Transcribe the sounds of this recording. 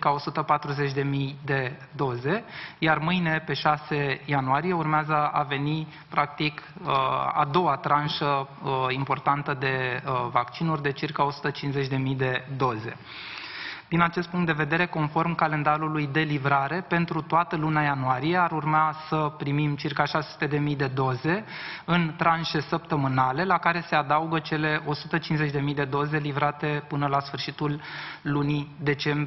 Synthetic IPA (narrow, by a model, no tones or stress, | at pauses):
kao̞sut̪əpat̪ɾuze̞t͡ʃʲd̪e̞mijd̪e̞ | d̪o̞ze̞jarmɨjne̞pe̞ʃase̞januaɾije̞urmeazəave̞ni | pɾak̚t̪ikəa̰d̪o̞wat̪ɾanʃəimpo̞rt̪ant̪əd̪e̞vakt͡ʃinurʲd̪e̞t͡ʃirkao̞su̥t̪ət͡ʃinsze̞t͡ʃʲd̪e̞mijd̪e̞d̪o̞ze̞̰ | d̪̥inat͡ʃest̪̚puŋkt̪d̪e̞ve̞d̪e̞ɾe̞ko̞nfo̞rmkale̞nd̪aɾulujd̪e̞livɾaɾe̞pe̞nt̪ɾut̪oat̪əlunajanuaɾije̞aɾurmasəpɾimimt͡ʃirkaʃasesu̥t̪e̞d̪e̞mijd̪e̞d̪o̞ze̞ɨnt̪ɾanʃe̞səpt̪əmɨnale̞lakaɾe̞se̞ad̪auɡət͡ʃe̞le̞ʔo̞sut̪ət͡ʃinzet͡ʃʲd̪e̞mijd̪e̞d̪o̞ze̞livɾat̪e̞pɨnəlasfɨrʃit̪ulːunid̪e̞t͡ʃe̞mb